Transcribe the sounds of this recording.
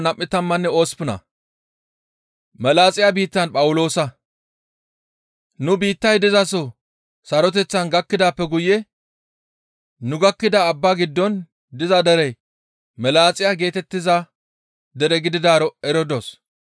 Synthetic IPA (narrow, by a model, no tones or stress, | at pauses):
nɐmʔːɪt̪ɐmːɐnːɛo̞ːspʊnɐ̰ | mɛlaːt͡sʼɪjabiːt̪ːɐnpʼɐwʊlo̞ːsɐ | nʊbiːt̪ːɐjd̪ɪzɐsɔ | sɐɾɔt̪̬ɛt͡sːɐnɡɐkːɪd̪aːpːɛɡʊjɛ | nʊɡɐkːɪd̪ɐːbːaːɡɪd̪ːɔn | d̪ɪzɐd̪ɛɾɛj | mɛlaːt͡sʼɪjaɡe̞ːt̪ɛt̪ːɪzɐ | d̪ɛɾɛɡɪd̪ɪd̪aːɾɔɛɾɔd̪os